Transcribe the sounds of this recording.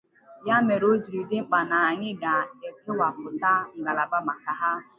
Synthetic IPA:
ja˦me˨ɾo˦d͡ʒi˨ɾi˨dɪ˦ŋ͡m̩˦k͡pa˨na˨a˨ɲɪ˦ɡa˨e˨tɪ˦wa˨pʊ˨ta˦ŋ̩˨ɡa˨la˨ba˦ma˨ka˨ɦa˦

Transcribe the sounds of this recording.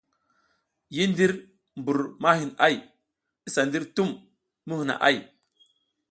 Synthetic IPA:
ji˦ndi˦ɾ | mbu˨ɾma˦ɦi˨na˦˨j | i˦sa˨ndi˦ɾtu˦mː | u˦hu˨na̰˨ʔa̰˦˨j

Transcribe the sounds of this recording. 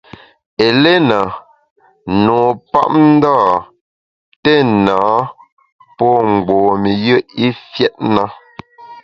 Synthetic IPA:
e˨le˦na˨ | noː˨pa̰˦ʔ̚n̩˦da˦˨ | tɛ˦˨nãː˨˦ | pɔ˦ŋ͡m̩˨ɡ͡bɔː˨mi˨jə˦i˦fjɛ˦t̚na˦

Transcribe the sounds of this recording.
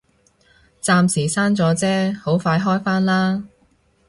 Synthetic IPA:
t͡saː˧msiː˨˩saː˥nt͡sɔː˨˥t͡sɛː˥ho˨˥wfaː˧jɦɔː˥jfaː˥nlaː˥

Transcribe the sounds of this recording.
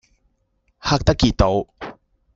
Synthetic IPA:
haː˥k̚t̪ɐ˥kːiː˧˩t̪̚t̪ːo˨˧w

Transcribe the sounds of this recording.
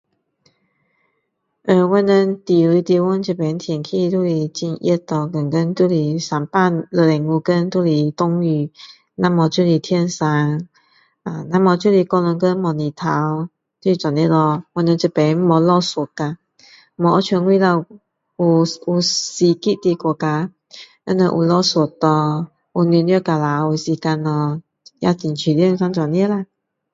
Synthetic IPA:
ʔə˨˧˩wɛ˧˦nə˧nt̪i˨i˧˦t̪i˧wɔ˧˦n˧nt͡ʃə˨˩pe˨˧˦nt̪ʰjɛ˨˩nkʰi˥˧t̪u˥˧li˨˩t͡ɕi˧nʔjɛ˥˧t̪ɔ˧˩kə˨˩ŋkə˦nt̪u˥˧li˨˩sa˧mpa˥˧˨lə˧lɛ˨˩ŋu˧˩kə˦nt̪u˥˧li˨˩t̪ʊ˥˧ŋy˧˩ | na˧˩mɔ˨˧t͡ɕu˥˧li˨˩t̪ʰjɛ˥˧nsa˧˦ŋ | a˧˩na˧˥mɔ˧˩t͡ɕju˥˨li˨kɔ˧nə˧˦ŋkə˦nmɔ˧˩ni˨t̪ʰa˨˧˦w | t̪u˧i˧t͡swa˨nji˧˥lɔ˧wɔ˧˦nə˧t͡ɕə˧pe˨˦m̩˦mɔ˧lɔ˥˧swɔ˨˩ka˧˩˦ | mɔ˨˧˨ɔ˧˦t͡ɕʰɛ˧˦ŋwi˥˧˨la˧ | u˨˩u˨˩si˧ki˦˧˨t̪i˧kɔ˨˩ka˧ | ə̰˧˦nə̰˧˨ʔṵ˨lɔ˥˧swɔ˨˩t̪ɔ˧ | u˨˩n˧njə˧ka˧˩la˨˧u˧si˧ka˧nɔ˧˩ | jʔa̰˧ti˨nt͡ɕʰi˨ljə˥˧˨ŋsa˧˦ŋt͡swa˨˩njə˥˦la˧

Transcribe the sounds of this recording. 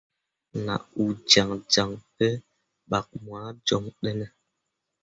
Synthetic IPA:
na̰˨u˨d͡ʒa˨ŋd͡ʒa˨ŋpe˦ | ɓa˨k̚mwaː˨˦d͡ʒɔ˨ŋɗɛ˦nɛ˦

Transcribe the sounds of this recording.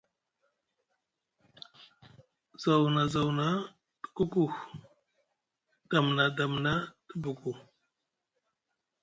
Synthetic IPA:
za˨wna˨za˨wna˦ | tə̥˦ku˦ku˦x | d̥a˨mna˨da˨mna˦tə˦bu˨ku˨

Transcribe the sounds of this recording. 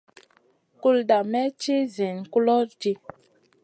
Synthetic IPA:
ku˦lda˨mɛ˦t͡ʃi˦zi˨n˨ku˦lɔ˦d͡ʒi˦

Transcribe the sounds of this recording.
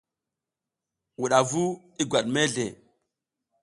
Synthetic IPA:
wu˨ɗa˨vu˦ | i˦ɡwa˨ɗme˦ɮḛ˨

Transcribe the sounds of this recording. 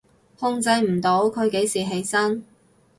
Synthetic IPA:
hʊ˧ŋt͡sɐ˧jm̩˨˩t̪o˨˥wkʰɵ˨˧ɥke˨˥jsiː˨˩ɦe˨˧˥jsɐ˥n

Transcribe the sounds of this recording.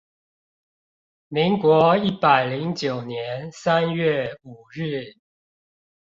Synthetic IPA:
me˧˥ŋkwɔ˧˥i˥˩pa˨˩ɪli˧˥ŋt͡ɕjo˨˩ʊnjɛ˧˦nsa˦nɥɛ˥˨˩u˨˩ɻɻ̩˥˩

